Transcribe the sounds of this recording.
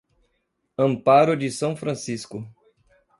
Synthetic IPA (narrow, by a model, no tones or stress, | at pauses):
ɐ̃mpaɾʊd͡ʒɪsɐ̃w̃fɾɐ̃siskʊ